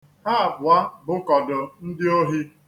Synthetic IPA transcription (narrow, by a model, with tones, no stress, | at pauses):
ha˦a˨bʊ˨a˦bʊ˦kɔ˨dʊ˨n̩˦dɪ˦o˦ɦi˦